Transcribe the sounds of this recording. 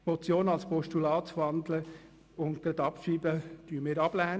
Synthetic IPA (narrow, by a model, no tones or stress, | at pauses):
mɔt͡sjoːnɑlspɔʃtulɑːt̪ʋɑnd̪lə | ʊnt̪̚ɡ̥ɾɑd̪ɑpʃiːbəd̥yəmɪːɾɑb̥læːn